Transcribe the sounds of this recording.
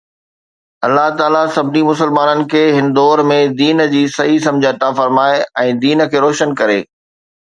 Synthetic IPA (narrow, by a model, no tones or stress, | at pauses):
ɐlːaɦt̪aːlasɐbɪnimʊsəlmaːnənɪ̆kʰeːɦɪnɪ̆d̪ɔːɾmẽd̪iːnd͡ʑiːsɐɦisɐ̃md͡ʑʱiɐt̪aːfɐɾmaːeɛ̃ːd̪iːnə̆kʰeːɾɔːʃənkɐɾeː